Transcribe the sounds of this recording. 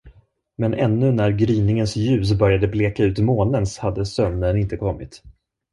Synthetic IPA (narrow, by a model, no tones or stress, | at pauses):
mɛnʔɛnːɵnæɾɡɾyːnɪŋənsjʉ̟ːs̬bœɾjad̪əbleːkaʉ̟ːt̪moːnənshad̪ːəsœmnənɪnt̪əkʰɔmːɪt̪